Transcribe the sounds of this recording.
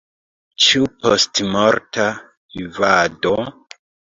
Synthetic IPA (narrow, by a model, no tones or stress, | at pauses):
t͡ʃiupostmoɾta | ivado